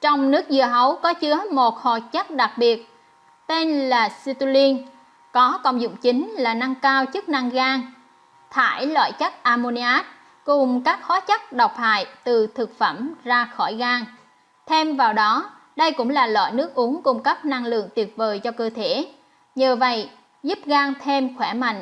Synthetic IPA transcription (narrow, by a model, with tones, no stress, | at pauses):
t͡ɕɔ˧wŋ͡mnɨ˦˥ək̚zɨ˨˩əɦə˨˦wkɔ˨˦t͡ɕɨ˨˦əmo˨˩t̚hɔ̰˨˩t͡ɕə˦˥k̚ɗa˨˩k̚ɓi˨˩ət̚ | t̪e˧nlaː˨˩si˧t̪u˧li˧n | kɔ˨˦kə˧˨wŋ͡mzʊ̰˧˨ŋ͡mt͡ɕï˨˦ŋ̟laː˨˩na˧ŋkaː˧wt͡ɕɨ˦˥k̚na˧ŋɣaː˧ŋ | t̪ʰaː˧˩jlwa̰ː˧˨jt͡ɕa˦˥k̚ʔaː˧mo˧ni˧ʔaː˦˥t̚ | kʊ˨˩ŋ͡mkaː˦˥k̚xɔ˨˦t͡ɕa˦˥k̚ɗa˨˩wk͡p̚ha̰ː˧˨jt̪ɨ˨˩t̪ʰɨ˨˩k̚fə˧˩mzaː˧xɔ˧˩jɣaː˧ŋ | t̪ʰe˧mvaː˨˩wɗɔ˨˦ | ɗə˧jkʊ̰˧˥ŋ͡mlaː˨˩lwa̰ː˧˨jnɨ˦˥ək̚ʔu˨˦əŋkʊ˧ŋ͡mkə˦˥p̚na˧ŋlɨ̰˧˨əŋt̪i˨˩ət̚vəː˨˩jt͡ɕɔ˧kəː˧t̪ʰe˧˦ | ɲəː˨˩və̰˧˨j | zu˦˥p̚ɣaː˧ŋt̪ʰe˧mxwɛ˧˩ma̰˧˨jŋ